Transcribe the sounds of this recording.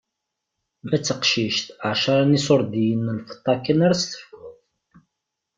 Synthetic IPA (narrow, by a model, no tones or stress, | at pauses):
mæt͡sːəqʃiʃt̪ʕʃɑɾˤɑnisoɾˤd̪ijənːəlfə̥t̪ˤːɑkːənaɾæst̪ə̥fɡʊθ